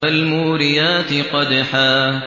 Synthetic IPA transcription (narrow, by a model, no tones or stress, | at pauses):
almuːɾɪjaːt̪ɪqɑd̪aħaː